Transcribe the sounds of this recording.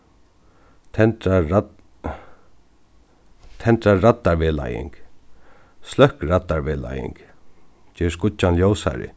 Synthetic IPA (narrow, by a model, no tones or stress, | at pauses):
t̪ʰɛnt̪a | t̪ʰɛnt̪ɾaːat̪ːaɹʋɛla̰jɪ̰ŋk | slœhkɾat̪ːaɹʋeːla̰jɪ̰ŋk | t͡ʃɛːskʊt͡ʃanljoːwsa̰ɾɪ̰